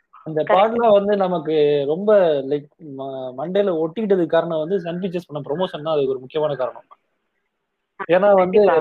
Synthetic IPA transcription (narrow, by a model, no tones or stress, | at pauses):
ɐnd̪ɐpaːʈlaːʋɐnd̪ɯnɐmɐkːɯɾɔmbɐlɐɪkmɐɳɖɐjlɔʈːɯkɪʈ̬ːɐðɯkːaːɾɐɳɐ̃ʋɐnd̪ɯsɐnfɪt͡ʃːɐspɐɳːɐmpɾɔmoːʂɐnnãːɐðɯkːɔɾɯmʊkːɪjɐmaːnɐkaːɾɐɳɐ̃m | eːnaːʋɐnd̪ɯ